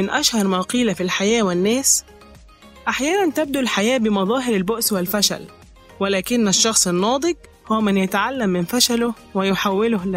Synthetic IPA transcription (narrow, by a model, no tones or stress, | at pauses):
ɪnʔæʃhɑɾˤmæːqiːlæfilħajæːwɪnːæːs | ʔaħjæːnænt̪æb̚d̪ulħajæːbɪmɑðˤɑːɦɪɾɪlbʊʔswɪlfæʃæ̰l | wɪlæːkɪnːæʃːɑxsˤɪnːɑːd̪ˤɨɡ | hʊwæmɪnjæt̪aʕalːæmːɪnfæʃælʊ | wɪjʊħawːɪlʊhl